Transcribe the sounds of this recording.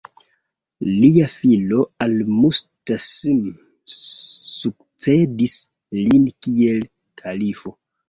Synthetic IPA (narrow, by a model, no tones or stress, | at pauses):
liafilo̞almustasim | suk̚ | t͡se̞dis | linkie̞l | tʰalifo̞